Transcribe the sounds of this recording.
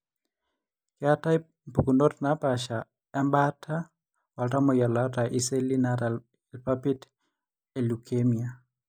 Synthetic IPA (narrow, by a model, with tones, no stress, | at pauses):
kɪa˦ta˦i | mpu˨kundɔ˦tna˦pa˨ʃa˨ | a˦mba˦tʰa˦ | wa˨lta˦mɔ˨ja˨la˦ta˨ʔi˦se˦li˦naɾa | lpapi˦t | e˨lukʰemia